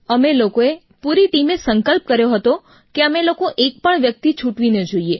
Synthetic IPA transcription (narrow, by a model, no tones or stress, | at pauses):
əmelokoe | puɾiʈimesəŋkəlp̚kəɾjoɦət̪o | keəmelokoʔek̚pəɳʋjək̚t̪it͡ʃʰuʈʋined͡ʒoie